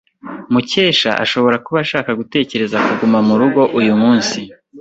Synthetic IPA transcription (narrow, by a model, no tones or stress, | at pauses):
muce̞ːʃa̰ʔa̰ʃo̞βo̞ɾakuβaʃaːkaɡute̞ːce̞ɾe̞zakuɡumamuɾuɡo̞ʔujumuːnsi